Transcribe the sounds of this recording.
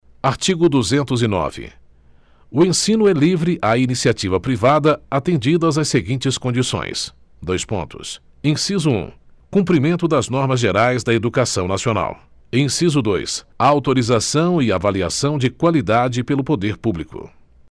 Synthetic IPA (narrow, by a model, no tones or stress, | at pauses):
aɾt͡ʃiɡʊd̪uzẽnt̪ʊzɪnɔ̰vɪ̰ | ʊẽsĩnʊɛlivɾɪʔainisiat͡ʃivɐpɾivad̪ɐat̪ẽnd͡ʒid̪ɐzɐseɡĩnt͡ʃɪskõnd͡ʒisõ̰j̃s | d̪ojspõ̰nt̪ʊ̰s | ẽsizʊṵ̃ | kũmpɾimẽnt̪ʊd̪ɐznɔɾmɐzʒeɾajzd̪ɐed̪ukasɐ̃w̃nasiona̰w | ẽsizʊd̪ojsaawt̪oɾizasɐ̃w̃ɪavalia̰sɐ̃w̃d͡ʒɪkwalid̪ad͡ʒɪpelʊpod̪eɾpublikʊ̰